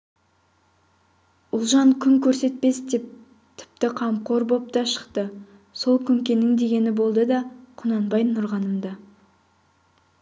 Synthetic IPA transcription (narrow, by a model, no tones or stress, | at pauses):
ʊlˠʒɑŋkʲʰʏŋkʲʰɵɾse̞t̪̚pe̞sd̪e̞p̚ | t̪ʰɪ̥p̚t̪ɪqʰɑmqʰo̞ɾbo̞p̚t̪ɑʃə̥qt̪ə | so̞lˠkʲʰʏŋkʲe̞nɪŋd̪e̞ɡʲe̞nɪbo̞lˠd̪əd̪ɑqʰʊnɑnbɑjnʊɾʁɑnəmd̪ɑ